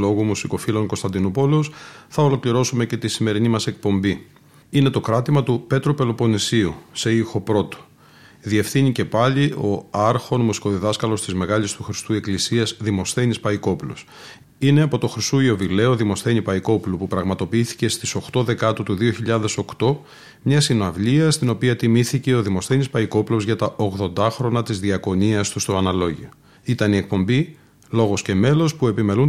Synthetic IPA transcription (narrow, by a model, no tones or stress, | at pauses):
lo̞ɣumusiko̞filo̞ŋkost̪ɐnd̪inupolosθɐolo̞kliɾo̞sume̞ce̞t̪isime̞ɾinimɐse̞k̚po̞mbi | ine̞t̪o̞kɾɐt̪imɐt̪upe̞t̪ɾope̞lo̞po̞nisiuse̞ixo̞pɾo̞t̪o̥ | ðiefθiɲice̞pɐʎio̞ɐɾxo̞nmusi̥ko̞ðiðɐskɐlo̞st̪izme̞ɣɐʎist̪uxɾi̥st̪ue̞klisiɐzðimo̞sθe̞nispɐiko̞plo̰s | ine̞ɐpo̞t̪o̞xɾist̪uio̞vile̞oðimo̞sθe̞ɲipɐiko̞plupupɾɐɣmɐt̪o̞piiθi̥ce̞st̪iso̞xt̪o̞ðe̞kɐt̪ut̪uðioçiʎɐðe̞so̞kt̪o̞ | mɲɐsinɐvʎiɐst̪ino̞piɐt̪imiθice̞o̞ðimo̞sθe̞nispɐiko̞plo̞zʝɐt̪ɐʔoɣðo̞nd̪ɐxɾo̞nɐt̪izðiɐko̞niɐst̪ust̪o̞ɐnɐlo̞ʝio | it̪ɐnie̞k̚po̞mbi | lo̞ɣo̞sce̞me̞lo̞spue̞pime̞lun